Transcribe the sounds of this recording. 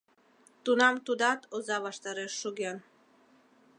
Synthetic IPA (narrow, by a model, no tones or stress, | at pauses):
t̪unamt̪ud̪at̪ozavaʃt̪aɾeʃuɡʲen